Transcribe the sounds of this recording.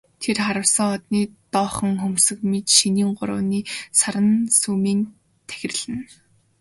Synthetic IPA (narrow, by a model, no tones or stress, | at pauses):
t̪ʰerχaɾə̆wsə̆ŋɔt̪niːt̪ɔːχə̆ŋxɵmsɵ̆kmet͡ɕʃiniːɴɢʊ̰ɾʊ̰ːniːsaɾə̆nsuːmiːn | t̪ʰæ̥xʲɪ̆rɮɘ̆n